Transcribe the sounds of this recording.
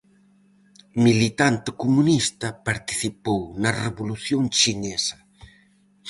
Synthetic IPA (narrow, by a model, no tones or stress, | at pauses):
milit̪ant̪ɪkumunist̪ɐpaɾt̪i̥θipownɐreβuluθjoŋt͡ʃinesɐ